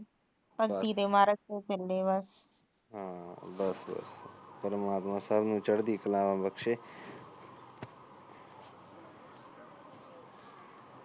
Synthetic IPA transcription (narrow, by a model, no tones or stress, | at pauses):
pəɡt̪iːd̪eːmaːɾək̚tet͡ʃəlɖeːbəs | ɦãbəsbə̰spəɾmaːt̪mãːsəbnũːt͡ʃəɽd̪iːkəlãːʋãːbəkʃeː